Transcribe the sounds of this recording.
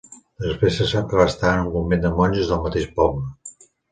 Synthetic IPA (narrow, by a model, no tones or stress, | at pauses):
əspesəsaŋkəβast̪aənummumend̪əmɔnʲʒuzðəlˠmət̪eʃpɔblə